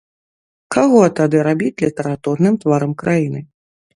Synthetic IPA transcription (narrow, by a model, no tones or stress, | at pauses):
kaɣɔt̪ad̪ɨɾabʲit͡sʲlʲit̪ɐɾat̪urnɨmt̪vaɾɐmkɾʔajinɨ